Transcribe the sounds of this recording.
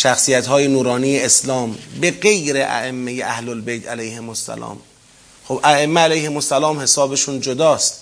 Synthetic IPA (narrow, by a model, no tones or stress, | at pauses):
ʃæxsijæt̪hɒːjenuːɾɒːnijeeslɒːmbeɡe̞jɾeʔæ̰ʔemːejeʔæhlolbejt̪ʰælæjhemosːæ̰lɒ̰ːm | xobʔæemːeælæjhemosːælɒːmhe̞sɒːbeʃuːnd͡ʒod̪ɒːst̪